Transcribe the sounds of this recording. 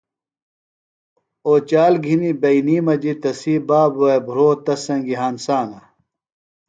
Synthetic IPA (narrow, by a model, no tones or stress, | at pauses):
oːt͡ɕaːlɡʱinibɐiniːmɐd͡ʑit̪ɐsiːbaːbuɐbʱuɾoːt̪ɐsɐ̃ŋɡiɦaːnsaːnɐ